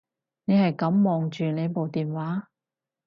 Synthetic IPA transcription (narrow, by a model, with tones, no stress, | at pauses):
ne˨˧jhɐ˨jkɐ˨˥mːɔː˨ŋt͡ʃyː˨ne˨˧jpo˨wt̪iː˨˩nwaː˨˥